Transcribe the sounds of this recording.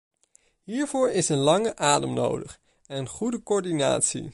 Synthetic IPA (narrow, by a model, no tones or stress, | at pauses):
ɦiːɹv̥oːɹɪsənlɑŋəʔaːdəmno̰wdəχ | ɛnənχudəkɔːɹdina̰ːtsḭ